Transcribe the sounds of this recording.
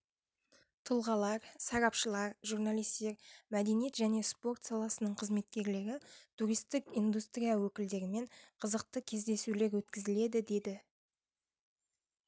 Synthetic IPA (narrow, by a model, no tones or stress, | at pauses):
t̪ʰʊlˠʁɑlˠɑɾsɑɾɑpʃəlˠɑɾʒuɾnɑlˠijst̪e̞ɾmæd̪e̞nijt̪ʒæne̞spo̞rt̪sɑlˠɑsənəɴqʰəzme̞t̪̚kʲe̞ɾlɪɾɪt̪ʰuɾijst̪ɪkind̪ust̪rʲijawɵkʲɪld̪e̞ɾɪme̞ɴqʰəzəqt̪əkʲʰe̞zd̪e̞sule̞ɾwɵt̪kʲɪzɪle̞d̪ɪd̪e̞d̪ɪ